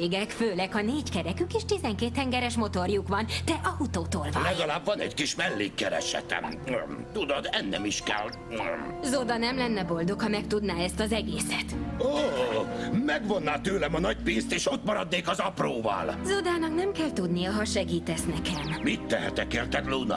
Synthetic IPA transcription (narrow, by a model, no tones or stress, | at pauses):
eːɡɛkføːlɛkhɒneːɟkɛɾɛkykeːʃt̪izɛŋkeːt̪hɛŋɡɛɾɛʃmo̞t̪o̞rjukʋɒnt̪ɛʔɒhut̪oːt̪oːlvɒlɛɡɒlaːbvɒnɛ̰ckiʃmɛlːeːkkɛɾɛ̰ʃɛ̰t̪ɛ̰mmt̪ud̪od̪ɛnːɛ̰miʃkɛl | zod̪ɒnɛmlɛnːɛbo̞ld̪o̞khɒmɛkt̪ud̪naːɛst̪ɒzɛɡeːsɛt̪oː | mɛɡʋo̞nːaːt̪øːlɛmɒnɒɟ̚piːnst̪eːʃut̪mɒɾɒd̪neːkɒzɒproːvɒ̰lzod̪aːnɒknɛmkɛlt̪ud̪nijɒɦɒʃɛɡiːt̪ɛsnɛkɛmmit̪ːɛɦɛ̰t̪ɛkeːrt̪ɛkluːnɒ̰